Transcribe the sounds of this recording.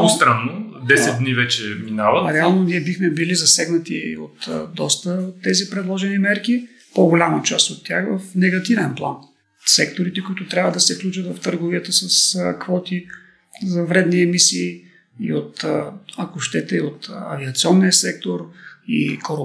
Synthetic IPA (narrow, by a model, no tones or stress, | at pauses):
ost̪ɾanːod̪ɛsɛt̪d̪nivɛt͡ʃɛminavɐt̪ɾɛalˠnoniɛbixmɛbilizɐsɛɡnɐt̪io̰t̪d̪ɔst̪əot̪ːɛzipɾɛd̪lˠɔʒɛnimɛɾki | poɡolʲamət͡ʃast̪ot̪ːʲjaxvɐfnɛɡɐt̪ivɛnplˠa̰n | sɛkt̪oɾit̪ɛkʊit̪ʊt̪ɾʲjabvəd̪ɐsɛfklʲut͡ʃɐt̪vɐft̪əɾɡoviət̪əsəskvɔt̪i | zɐvɾɛd̪niɛmisiː | ḭot̪ɐkoʃt̪ɛt̪ɛiot̪ɐ̰viɐt̪siɔnːiəsɛk̚t̪oɾḭkoɾ